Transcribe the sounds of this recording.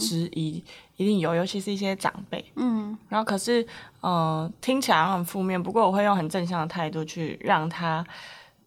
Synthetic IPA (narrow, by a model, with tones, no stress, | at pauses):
ʈ͡ʂɻ̩˧˥ʔi˧˥i˧˥t̪i˥˩ŋjo˨˩ʊjo˧˥ʊt͡ɕʰi˧ʂɻ̩˥˩i˥˩ɕjɛ˥ʈ͡ʂɑ̰˨˩ŋpe˥˩ɪ˥˩ɻa˨˧˥no˥˩ʊkʰɤ˨˩ʂɻ̩˥˩ə˧t̪ʰi˥ŋt͡ɕʰi˨˩a˧˦xə˨˩nfu˥˧mjɛ˥˩npu˧˥kwɔ˥˩wɔ˨˩xwe˥˧jo˥˩ŋxə˨˩nʈ͡ʂə˥˧nɕ̬jɑ˥˩ŋd̪ə˩t̪ʰa˥˧ɪt̪u˥˧t͡ɕʰy˥˧ɻɑ˥˨˩ŋt̪ʰa˥